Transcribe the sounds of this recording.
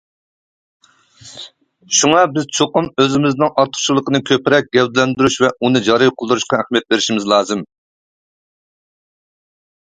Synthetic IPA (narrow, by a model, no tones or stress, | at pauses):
ʃuŋɑbɪzt͡ʃʰoqʊmøzɪmɪznɨŋʔɑɾt̪ʰːʊ̥t͡ʃʰilˠəqənɨkʲʰøpɪɾɛk̚ʲɡʲɛwd̪ɪlɛnd̪yɾyʃvɛunɨd͡ʒɑɾɨjqʰəlˠd̪uɾuʃqɑæχhmijɛt̪̚beɾɪʃimɪzlˠɑːzɨm